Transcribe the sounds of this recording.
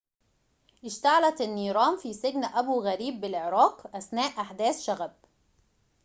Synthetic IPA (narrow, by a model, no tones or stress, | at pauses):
ʔɪʃt̪aʕalæt̪ɪnːiːɾˤɑːmfiːsɪɡnʔæbuːɣæɾiːbːɪlʕeɾˤɑːqʔæsnæːʔʔaħd̪æːsʃæɣæb̚